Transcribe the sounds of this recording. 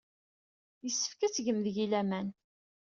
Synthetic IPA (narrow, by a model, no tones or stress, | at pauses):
jəsːə̥fkæt͡sʝəmðəʝilæmæn